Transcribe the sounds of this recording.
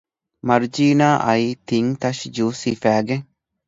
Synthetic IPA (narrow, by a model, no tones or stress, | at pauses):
mɐɾd͡ʒiːnaːʔɐit̪iŋt̪ɐʃd͡ʒuːsifæːɡeŋ